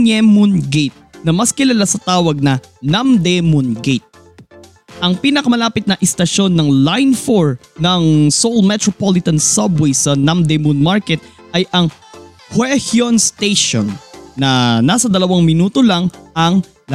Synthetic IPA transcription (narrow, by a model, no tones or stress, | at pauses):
ɛmʊnɡet̪̚nɐmɐskɪlɐlasɐt̪aːwɐɡ̚nɐnamd̪ɛmʊnɡejt̪̚ | ʔɐŋpiːnɐkɐmɐlaːpɪt̪̚nɐʔɪst̪ɐʃo̞nːɐŋlajnfoɹnɐŋsolmɛt̪ɹopolɪt̪ɐnsɐbwɛsɐnɐmd̪emʊnmaɹkɛt̪̚ | ʔɐjʔɐŋ | hwɛhjonst̪ejʃo̰nːɐnaːsɐd̪ɐlɐwaŋmɪnuːt̪olɐŋʔɐŋ